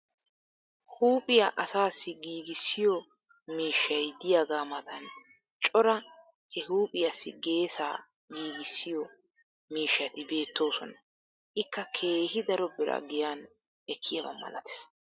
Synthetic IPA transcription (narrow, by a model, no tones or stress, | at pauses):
huːpʼɪjaʔɐsaːsːɪɡiːɡɪsːɪjɔ | miːʃːɐjd̪ɪjaːɡaːmɐt̪ɐn | t͡ʃʼɔɾɐ | hɛhuːpʼɪjasːɪ̰ɡe̞ːsa̰ː | ɡiːɡɪsːɪjɔ | miːʃːɐt̪ɪbe̞ːt̪ːo̞ːsɔ̰nɐ | ʔɪkːɐkʰe̞ːhɪd̪ɐɾɔbɪɾɐ̰ɡɪjaːn | ʔɛkʰːɪjɐbɐ̰mɐ̰lɐ̰t̪ɛ̥s